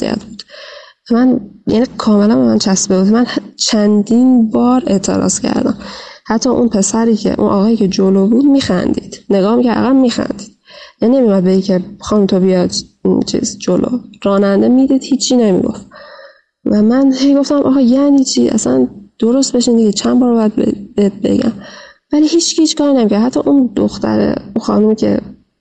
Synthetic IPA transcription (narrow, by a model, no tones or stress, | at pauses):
sḭæ̰t̪ʰbuːd̪̥ | æmænjæ̰nikʰɒːme̞lænbemænt͡ʃʰæsbebuːd̪mænht͡ʃʰænd̪inbɒːɾe̞̰ʔt̪ʰe̞̰ɾɒ̰ːscʰæ̰ɾd̪æ̰mhæt̪ʰːɒʔunpʰe̞sæɾiːcʰḛʔṵnʔɒːɣɒːjiːcʰe̞d͡ʒolobuːd̪miːxæ̰nd̪ḭːd̪̥ne̞ɡɒːhmicʰææ̰ɣæbmiːxæ̰nd̪iːd̪̥jæninemijumæd̪̚beiŋcʰexɒːnumt̪ʰobijɒd̪t͡ʃʰḭːzd͡ʒolo̰ɾɒːnænd̪emid̪iːd̪hiːt͡ʃʰːiːne̞mḭɡo̞̰f | væmænhe̞jɡo̞ft̪æmʔɒ̰ːɣɑjæʔniːt͡ʃʰiʔæ̰sæ̰nd̪̥oɾo̞st̪be̞ʃind̪iɡiːt͡ʃʰænbɒːɾbɒjæd̪̚b̰beet̪̚be̞̰ɟæ̰m | væliːhiːt͡ʃʰhiːt͡ʃʰkɒːinemicʰæɾd̪hæt̪ʰːɒ̰ʔund̪o̰xt̪æ̰ɾḛunxɒ̰ːnumicʰe̞̰